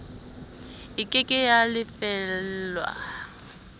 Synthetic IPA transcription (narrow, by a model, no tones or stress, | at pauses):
ɪkʼɪkʼɪjalɪfɛllwa̰